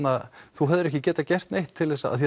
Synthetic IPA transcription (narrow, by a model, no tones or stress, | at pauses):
naðθuɦɛðʏɾɛhcɪcɛːt̪acɛr̥t̪nejht̪ʰːɪlːɛsːaa̰ðθjɛ